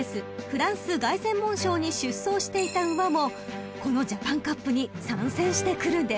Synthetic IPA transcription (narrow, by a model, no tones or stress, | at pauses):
esɨɸɯ̟ɾãɰ̃sɨɡaisẽ̞mːõ̞ɰ̃ɕo̞ːɲ̟iɕɨsːo̞ːɕi̥t̪e̞it̪aɯβamo̞ | ko̞no̞d͡ʑapãŋkapːɯ̟ɲ̟isãɰ̃sẽɰ̃ɕi̥t̪e̞kɯ̟ɾɯ̟̃nd̪e